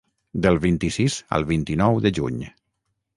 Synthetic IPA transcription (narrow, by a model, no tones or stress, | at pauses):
d̪əlˠβint̪isizə̰lˠβint̪inɔwðəʒṵɲ